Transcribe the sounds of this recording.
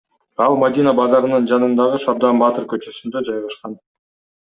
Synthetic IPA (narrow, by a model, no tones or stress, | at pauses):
ɑlˠmad̪ʲinabɑzɑɾɯnɯnd͡ʒɑnɯnd̪ɑʁɯʃɑɾd̪ɑmbɑt̪ɯɾkø̞t͡ʃø̞synd̪ød͡ʒɑjʁɑʃqɑn